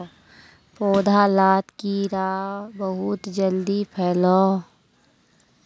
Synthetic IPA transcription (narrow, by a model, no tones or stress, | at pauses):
poːd̪ʱalaːt̪kiɾaːbəɦʊt̪d͡ʒəld̪ipʰɛːlɔː